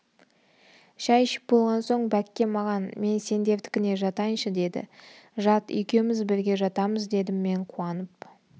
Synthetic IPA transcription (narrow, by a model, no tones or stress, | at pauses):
ʃɑjʃɪ̥p̚bo̞lˠʁɑnso̞ɴbækʲːe̞mɑʁɑnme̞nse̞nd̪e̞ɾt̪ɪ̥kʲɪne̞ʒɑt̪ɑjənʃəd̪e̞d̪ɪ̰ | ʒɑt̪ʏ̰jkʲe̞mɪzbɪɾɡʲe̞ʒɑt̪ɑməzd̪e̞d̪ɪmːe̞ɴqʰuɑnəp̚